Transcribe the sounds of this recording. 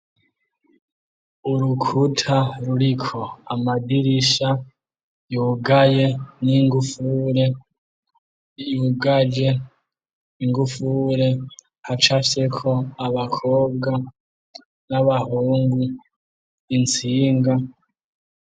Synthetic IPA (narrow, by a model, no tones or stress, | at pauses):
uɾukʰutʰaɾuɾikʰo̞amadiɾiʃa | juːɡaje̞niŋɡufuɾe̞ | juːɡad͡ʒe̞ | iŋɡufuɾe̞ | hat͡ʃafise̞kʰo̞aβakʰo̞ːbɡa | naβahuːŋɡu | int͡siːŋɡa